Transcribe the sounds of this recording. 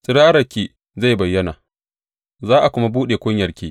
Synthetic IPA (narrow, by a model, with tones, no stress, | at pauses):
sʼɪ˦ɽaː˦ɾɐ˨kʲiː˨ | za˦˨jbɐ˨jːɐ˦naː˨ | zaː˦ʔa˨kʷʊ˦ma˦buː˦ɗeː˨kʷʊ˦ɲjɐ˨rkʲiː˦